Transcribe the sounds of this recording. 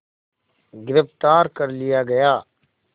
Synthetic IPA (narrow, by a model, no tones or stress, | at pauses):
ɡɪɾɪft̪aːɾkəɾlɪjaːɡəjaː